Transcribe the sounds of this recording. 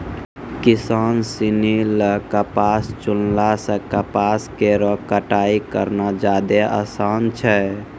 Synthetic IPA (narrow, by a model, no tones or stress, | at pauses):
kisansiniləkəpast͡ʃullasə̃kəpaskeɾɔkəʈaikəɾnad͡ʒad̪eʔəsant͡ʃʰɛ